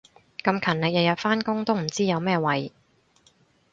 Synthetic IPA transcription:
kɐ˧mkʰɐ˨˩nlɪ˨k̚jɐ˨t̚jɐ˨˩t̚faː˥nkʊ˥ŋt̪o˥wm̩˨˩t͡siː˥jɐ˨˧wmɛː˥wɐ˨˧j

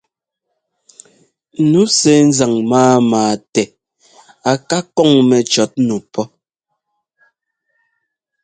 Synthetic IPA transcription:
nu˨˦sɛ˨˦n̩˦za˨ŋmaː˦maː˨tɛ˨ | a˨ka˦kɔ˦˨ŋmɛ˨t͡ʃɔ˨˦t̚nu˨pʰɔ˦

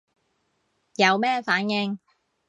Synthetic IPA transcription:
jɐ˨˧wmɛː˥faː˨˥njɪ˧ŋ

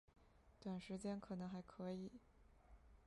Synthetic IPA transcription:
t̪wa˨˩nʂɻ̩˧˥t͡ɕjɛ˥nkʰɤ˨˩nɤ˧˥ŋxa˧˥ɪkʰɤ˧˥i˨˩˦

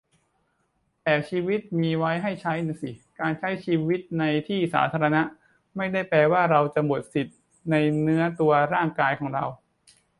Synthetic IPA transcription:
t̪ɛː˨˩t͡ɕʰiː˧wi˦˥t̪̚miː˧wa˦˥jɦa˥˩jt͡ɕʰa˦˥jna˧˩si˨˩kaː˧nt͡ɕʰa˦˥jt͡ɕʰiː˧wi˦˥t̪̚na˧jt̪ʰiː˥˩sa̰ː˩˦t̪ʰaː˧ɾa˧na˦˥ʔ | ma˥˩jda˥˩jpɾɛː˧waː˥˩ɾa˧wt͡ɕa˨˩mo˨˩t̪̚si˨˩t̪̚ | na˧jnɯ˦˥ɐt̪u˧ɐɾaː˥˩ŋkaː˧jkʰɔː˩˦ŋɾa˧w

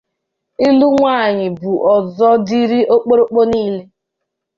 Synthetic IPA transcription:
i˦lu˦ŋʷaː˦˨ɲɪ˨bu˨ʔɔ˨zɔ˦di˦ɾi˦ʔo˦k͡po˦ɾo˦k͡po˦niː˦le˦

